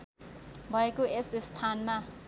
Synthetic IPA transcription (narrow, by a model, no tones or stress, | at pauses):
bakʼuesistʰanma